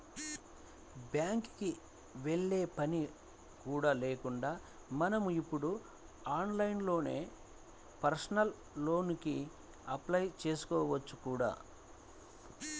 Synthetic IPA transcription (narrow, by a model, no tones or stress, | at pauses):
bjaːŋkki | ʋeɭːe̞ːpɐni | kuːɽaːle̞ːkuɳɖaː | mɐnɐmuipːuɽu | aːnlɐjnlo̞ːne̞̰ː | pɐɾsnɐlː | o̞ːniki | ɐplɐjt͡ʃe̞ːsu̥kɔːʋɐt͡ʃːukuːɽa̰ː